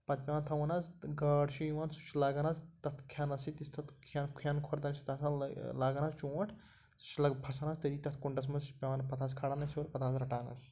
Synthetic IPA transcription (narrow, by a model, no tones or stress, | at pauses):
pɐt̪̚pʲãːnt̪ʰɐʋɐnɐzɡɐːɖt͡ʃʰijiwaːnsu̥t͡ʃʰlaːɡɐnazt̪ɐt̪ʰkʰjaːnɐsit̪ist̪ʰɐt̪ʰkʰaːnkʰjaːnkʰoɾd̪ɐnsi̥t̪ɐsalaːɡɐnast͡ʃõːʈʰ | u̥t͡ʃʰlɐɡpʰɐsɐnaːst̪ɐd̪iːt̪ɐt̪ʰkuɳɖɐsmɐnzpʲanpɐt̪ʰaːskʰaːɽanɐsʲoːɾpɐt̪ʰaːzɾɐʈaːnɐ̰s